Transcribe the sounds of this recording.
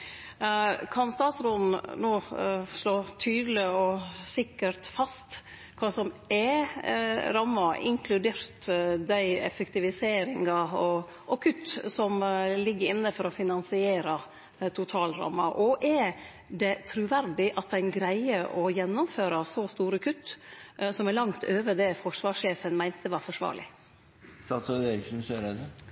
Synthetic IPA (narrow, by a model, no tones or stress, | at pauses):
kʰɑnst̪ɑːt̪sɾɔnn̩noːʂloːt̪ʰyːd̪lɪɔsɪkːəɾt̪fɑst̪ | kʰɑːsɔmɛ | ɾɑmːɑɪ̰ŋkʰlʉd̪eːɾt̪d̪æɪɛ̰fɛkt̪ɪʋɪseːɾɪŋɑɔ | ʔɔkʰʉt̪ːsɔmlɪɡːəɾɪnːəfɔɾɔfɪnɑnsɪeːɾɑ | t̪ʰʊt̪ʰɑːlɾɑ̰mːɑʔɔʔɛ | d̪ɛt̪ʰɾʉʋæɾd̪ɪʔɑt̪̚d̪æɪnɡɾæɪəʔɔjɛnːʊmføːɾɑsɔst̪uːɾəkʰʉt̪ːsɔmɛlɑŋt̪ʰøːʋəd̪ɛfɔʂʋɑːʂeːfənmæɪnt̪əʋɑːɾfɔʂʋɑ̰ːɾɭɪ̰ | st̪ɑsɔeɾɪksn̩søːɾɛd̪ə